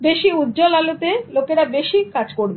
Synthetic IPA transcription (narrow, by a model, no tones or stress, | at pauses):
beʃiud̪d͡ʑolalot̪elokeɾabeʃikad͡ʑkoɾbe